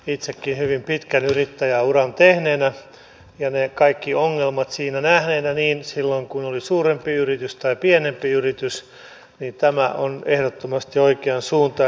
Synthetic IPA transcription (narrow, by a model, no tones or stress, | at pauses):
it̪sekːinhyʋimpit̪kænyrit̪ːæjæurɑnt̪ehneːnæ | jɑnekɑikːioŋːelmɑt̪siːnænæhneːnæniːnsilːoiŋkunolisuːrempiyrit̪yst̪ɑipienempiyrit̪ys | nint̪æmæʔonehɾot̪ːomɑst̪ioikeɑnsuːnt̪ɑ